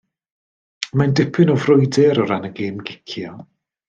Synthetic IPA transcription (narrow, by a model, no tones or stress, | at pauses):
mandɪpʰɪnɔvrʊjdɛɾɔɾanəɡeːmɡɪkʰjɔ